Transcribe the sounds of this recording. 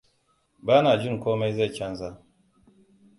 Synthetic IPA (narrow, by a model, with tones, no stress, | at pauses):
baː˦naː˨d͡ʒɪ˦ŋkʷoː˦ma˦jza˦˨jkʲɐ˦nza˦˨